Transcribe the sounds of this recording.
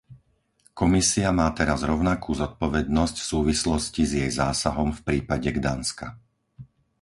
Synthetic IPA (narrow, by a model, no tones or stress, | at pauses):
kɔmisiamaːt̪ɛɾazɾɔʊnakuːzɔt̪̚pɔʋɛd̪nɔscfsuːʋislɔscizjɛjzaːsaɦɔmfpɾiːpaɟɛɡd̪aːnska̰